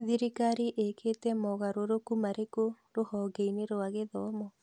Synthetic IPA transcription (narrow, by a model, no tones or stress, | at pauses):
ðiɾikaɾiʔekʰetɛmɔɣaɾoɾokumaɾeko | ɾohɔɡeineɾoaɣeðɔmɔ